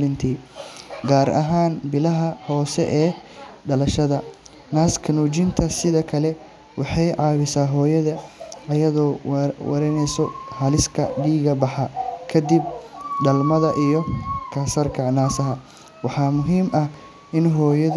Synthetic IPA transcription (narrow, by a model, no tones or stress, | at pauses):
lɪnt̪ʰiːɡaːɾɐ̰ɦaːnbɪlɐɦɐhɔːsɛ̰ʔɛːɖɐlɐʃɐðɐ | naːskʰɐnuːt͡ʃɪnt̪ʰɐsɪðɐkʰɐlɛ | wɑħɑjʕɑːβɪsaːɦɔːjɐðɐʔɐjɐðɔːwɐ̰ɾɛnɛjsɔhɐlɪskʰɐɖiːɣɐbɑħɑkʰɐd̪ɪb̚ɖɐlmɐðɐʔijɔkʰɐsɐrkʰɐnaːsɐɦɐ | wɑħɑːmʊɦiːmʔɐh | ʔɪnɦɔːjɐ